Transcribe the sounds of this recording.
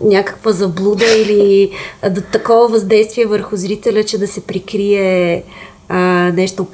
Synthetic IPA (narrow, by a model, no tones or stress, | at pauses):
nʲjakə̥kvəzɐblˠud̪əilid̪ɐt̪ɐkɔvəvɐzd̪ɛjst̪viɛvəɾxʊzɾit̪ɛlʲət͡ʃɛd̪ɐsɛpɾikɾiɛ | ənɛʃt̪op